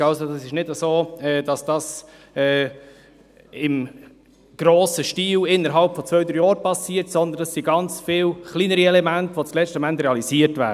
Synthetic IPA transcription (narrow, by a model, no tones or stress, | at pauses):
ɑlsodɑsɪʃnɪdəzoːɛːd̥ɑsd̥ɑs | ɛː | ɪm | ɡ̥ɾoːsəʃtiːlɪnːəɾɦɑlpfɔt͡svœʏd̪əɾjɔːɾpɑsiːətsɔnd̪ənd̥ɑsːiɡɑnt͡sfɪːwχliːnəɾiɛlɛmæntʋot͡slɛt͡sstəmænt̪ɾɛɑliziːəɾtvæ̰ː